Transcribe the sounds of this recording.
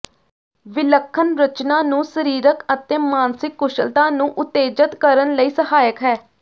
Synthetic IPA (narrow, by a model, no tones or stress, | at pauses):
ʋɪləkʰːənɾət͡ʃnãːnũːsəɾiːɾəkət̪eːmaːnsɪkːʊʃəlt̪ãːnũːʔʊt̪eːd͡ʒət̪kəɾənləiːsəhaːjəkɦɛː